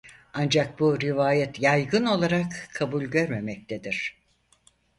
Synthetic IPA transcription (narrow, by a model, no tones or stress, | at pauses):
and͡ʒak̚buɾivaːjɛt̪ʰjajɡɯno̞lˠaɾakʰːabulʲɟø̞ɾme̞mɛc̚t̪ʰed̪iɾ̥